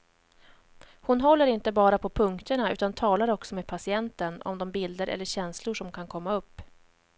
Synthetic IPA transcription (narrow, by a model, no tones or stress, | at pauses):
hʊnɦɔlːəɾɪnt̪əbɑːɾapʰɔpʰɵŋkt̪əɳaʉ̟ːt̪ant̪ʰɑːlaɾɔksɔmeːd̪̚pʰasɪɛnt̪ənɔ̰md̪ɔmbɪld̪əɾʔɛ̰lːəɕɛnslʊʂɔmkʰankʰɔmːaɵpː